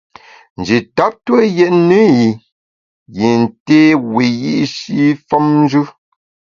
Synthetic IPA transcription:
n̩˨d͡ʒi˨ta˨˦p̚tə˦jɛ˦ʔnə˦ji˨ | ji˨n˨teː˦we˨ji˦ʔʃi˦fɔ˦mn˦d͡ʒʉ˦

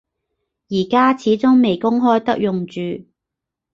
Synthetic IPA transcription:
jiː˨˩kaː˥t͡sʰiː˨˥t͡sʊ˥ŋme˨jkʊ˥ŋɦɔː˥jt̪ɐ˥k̚jʊ˨ŋt͡ʃyː˨

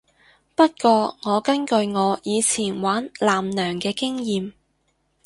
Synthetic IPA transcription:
pɐ˥t̚kʷɔː˧ŋɔː˨˧kɐ˥nkɵ˧ɥŋɔː˨˧jiː˨˧t͡sʰiː˨˩nwaː˨˥nlaː˨mnœː˨˩ŋkɛː˧kɪ˥ŋjiː˧m

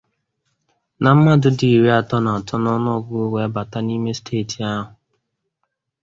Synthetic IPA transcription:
na˨m̩˦ma˦dʊ˦di˨ɾi˦a˨tɔ˦na˨a˨tʰɔ˦nɔ˦nɔ˦ɡʊ˦we˦a˦ba˨ta˦ni˦me˦stʰeː˦˨ti˨a˦ɦʊ˨

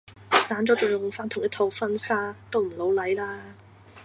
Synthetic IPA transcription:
saː˨˥nt͡ʃɔː˨˥t͡sɔ˨˩jʊ˨˩ŋfaː˥nt̪ʰʊ˨˩jɐ˥t̪ʰo˧wfɐ˥nsaː˥t̪o˥wm̩˨˩lo˨˥wlɐ˨˥jlaː˥

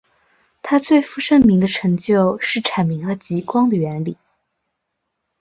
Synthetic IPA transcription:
t̪ʰa˥t͡swe˥˩ɪfu˥˩ʂə˥˩nmi˧˥ŋd̪ə˧ʈ͡ʂʰɤ˧˥ŋt͡ɕjo˥˧ʊʂɻ̩˥˩ʈ͡ʂʰa˨˩nmi˧˥ŋə˧˥t͡ɕi˧˥kwɑ˥ŋd̪ə˨ɥɛ˧˥nli˨˩˦

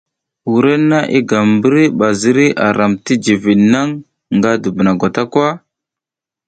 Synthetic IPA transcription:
wu˨ɾe˦nːa˦ʔḭ˦ɡa˨m˨bə˦ɾi˦ɓa˨zi˦ɾi˦ʔa̰˨ɾa˨mti˦d͡ʒi˨vi˨na˦ŋː | ɡa˦du˨bə˨na˨ɡʷa˨ta˦kʷa˦

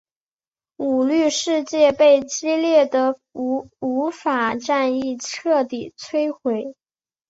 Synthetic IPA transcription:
u˨˩ly˥˧ʂɻ̩˥˧t͡ɕjɛ˥˧pe˥˩ɪt͡ɕi˥ljɛ˥˩d̪ə˩˧ | u˧˥fa˨˩ʈ͡ʂa˥˧ni˥˩ʈ͡ʂʰɤ˥˩t̪i˨˩t͡sʰwe˥ɪxwe˧˥ɪ

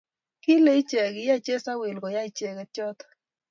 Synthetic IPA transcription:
ki˦le˦i˦t͡ʃɛ˨ɡɪ˨ja˦t͡ʃe˦sa˦we˨lɡɔ˨ja˦i˦t͡ʃɛ˨ɡɛ˨t͡ʃɔ˦t̪ɔ̥˨

